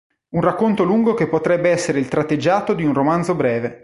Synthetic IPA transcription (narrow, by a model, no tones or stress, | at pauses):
unrakːont̪oluŋɡok̟epːot̪ɾɛbːeɛsːeɾeilt̪ɾat̪ːed͡ʒːaːt̪od̪iunromand̪zobɾɛːve